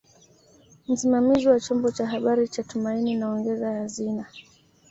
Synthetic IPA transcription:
m̩simamiziwat͡ʃɔmbɔt͡ʃaɦaɓaɾit͡ʃatumaininaɔŋɡɛzahazina

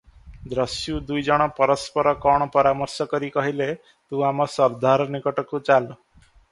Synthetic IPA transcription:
d̪ɾɔsjud̪ujd͡ʒɔɽ̃ɔpɔɾɔspɔɾɔkɔɽ̃ɔpɔɾamɔɾsɔkɔɾikɔɦile | t̪ũamɔsɔɾd̪ʱaɾɔnikɔʈɔkut͡ʃalɔ

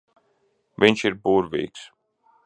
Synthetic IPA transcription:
viɲʲʃiɾbuːɾvḭːks

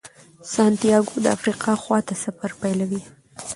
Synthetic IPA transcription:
sɑnt̪ijɑɡod̪əa̰fɾiqɑxwɑt̪asafaɾpajlawi

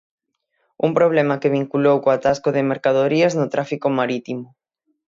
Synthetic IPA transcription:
ṵmpɾoβ̞lemakeβ̞iŋkulowkoat̪askoðɪmeɾkaðoɾiaznʊt̪ɾafikomaɾit̪imʊ

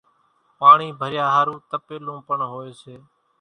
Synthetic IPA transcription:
paːɳiːbʱəɾjaːɦaːɾũːt̪əpeːlõːpəɳɦoːeːseː

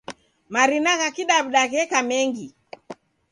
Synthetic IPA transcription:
maɾinaɣakiɗaβuɗaɣɛkamɛŋɡi

